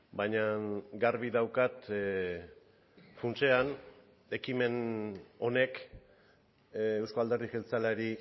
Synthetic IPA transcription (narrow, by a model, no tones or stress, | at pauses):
bajɲaɡaɾβiðawkat̪ | funt͡ʃe̞an | e̞kime̞no̞ne̞k | ewsko̞ald̪e̞rðixelt͡salaɾi